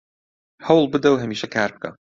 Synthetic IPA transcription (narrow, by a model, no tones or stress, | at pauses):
hɐwlˠbɨd̪ɐwɦɐmiːʃɐkʰaːɾb̚kʰɐ̰